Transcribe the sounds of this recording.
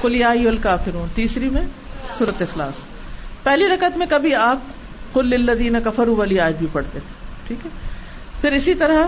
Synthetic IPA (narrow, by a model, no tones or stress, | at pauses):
kʊlɪjaːiɐlkaːfɪɾuːnt̪iːsɾimẽsuːɾət̪ɪxlaːs | pɛɦliɾɐkət̪mẽkɐbʱiaːp̚ | qʊlːɪlːɐd̪iːnɐkɐfɐɾuʋaːliaːd͡ʒbʱipɐɽt̪et̪ʰe̥ʈʰiːkɦɛ | pʰɪɾɪsit̪ɐɾa